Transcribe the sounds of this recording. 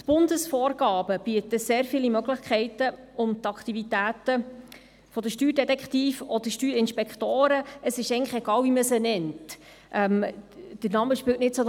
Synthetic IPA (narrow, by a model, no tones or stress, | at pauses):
tb̥ʊnd̪əsfɔːɾɡ̥ɑːbəb̥iət̪əseːɾfiːlimœɡləχkʰχɛɪtə | ʊmt̪ɑkχt̪ivitæːt̪ə | fɔdəʃtyːɾdɛtɛkχt̪iːfɔd̥̪əʃtyːɾɪnʃpɛkχt̪oːɾəʔəsɪʃɛɪŋnlə̥χɛɡ̥ɑːlviməsənɛnt | ʔɛmd̥əɾnɑməʃpɪwtnɪtsɔ